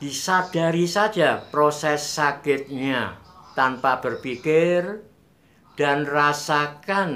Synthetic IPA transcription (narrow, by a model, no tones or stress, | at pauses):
d̥isad̥aɾisḁd͡ʒapɾosɛsːakɪt̪̚ɲat̪anpab̥ərpikɪr | d̥anrasakan